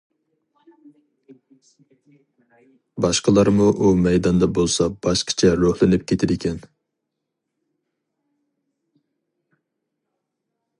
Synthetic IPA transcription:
bɑʃqəlˠɑɾmuʔumɛjd̪ɑnd̪ɑbolˠsɑb̥ɑʃqʰə̥t͡ʃʰɛɾohlˠɪnɪp̚kʲet̪ʰɪd̪ɪkʲʰɛn

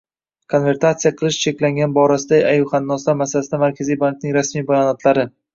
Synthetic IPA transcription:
kʰo̞nve̞ɾt̪ʰat̪sijaqʰɨlˠɪʃt͡ʃʰe̞kʲlaŋɡʲanbɒɾasɪd̪aajʊχanːɒst̪amasalasɪd̪amaɾkʲʰazijbaŋk̚nɪŋɾasmijbajɒnɒt̪laɾɪ

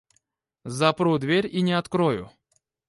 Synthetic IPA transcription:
zɐpɾud̪vʲeɾʲinʲɪɐt̪kɾojʊ̰

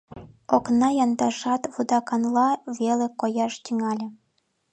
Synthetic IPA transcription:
oknɑjɑnd̪ɑʒɑt̪βud̪ɑkɑnlˠɑβelʲĕkojɑʃt̪yŋɑlʲĕ

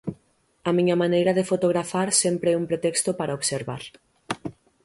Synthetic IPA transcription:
ɐmiɲɐmanejɾɐðefot̪oɣ̞ɾafaɾsɛmpɾeɛumpɾet̪ɛkst̪opaɾʔaoβseɾβa̰ɾ

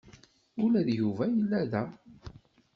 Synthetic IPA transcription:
ʊlæðjuvæjəlːæðæ

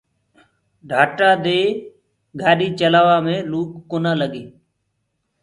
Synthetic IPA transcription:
ɖʱaːʈaːd̪eː | ɡʱaːɗiːt͡ʃəlaːʋaːmẽːluːkːoːnãːləɠeː

